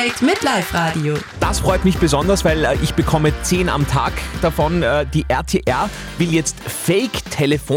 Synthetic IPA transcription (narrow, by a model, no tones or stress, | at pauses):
ɪtmɪtlaɪfʁaːdiod̥asfʁɔʏtmɪçb̥əzɔndɐsv̥aɪlɛːʔɪçb̥əkʰɔmət͡seːna̰mtʰa̰ːkd̥afɔnɛːd̥iːʔɛɐtʰeːʔɛɐ | vɪljɛt͡stfɛɪktʰeləfoː